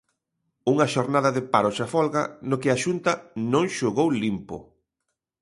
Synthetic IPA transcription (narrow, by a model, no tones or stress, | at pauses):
uŋɐʃoɾnaðɐðɪpaɾoʃafɔlɣɐnokɪaʃunt̪ɐnõŋʃoɣowlimpo̰